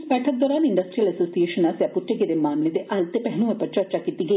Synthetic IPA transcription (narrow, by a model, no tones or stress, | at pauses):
spɛʈʰɐk̚d̪ɐɾaːniɳɖɐsʈɾijɐlɐsoːsijeːʃɐnasjɐpuʈːeɡed̪emaːmlid̪eʔɐlt̪epeɦnuʋɐpːɐt͡ʃɐɾt͡ʃakit̪ːiɡe